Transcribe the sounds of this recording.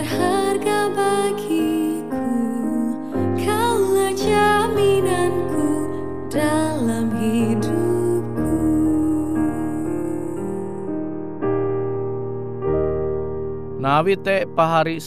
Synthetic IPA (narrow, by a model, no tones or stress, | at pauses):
harɡabaɡikʰu | kʰalad͡ʒaminanku | d̥alamɦidup̚ku | nawit̪ɛʔpaɦaɾis